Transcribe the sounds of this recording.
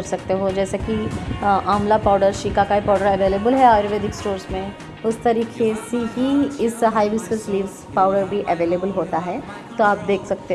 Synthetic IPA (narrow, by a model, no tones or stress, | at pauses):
ɐɾsɐkt̪eɦod͡ʒɛːsekiʔaːmlapaːʊɖəɾʃiːkakaipaːʊɖəɾɐʋeːleːbəlɦɛaːɾoʋeːd̪ɪksʈoːɾsmẽ | ʊst̪ɐɾiːkʰesiɦiɪsɦaːiʋɪskəlsliːʋzpaːʊɖəɾbʱiʔɐʋeːleːbəlɦoːt̪aɦɛː | t̪oaːp̚d̪eːkʰsɐk̚t̪e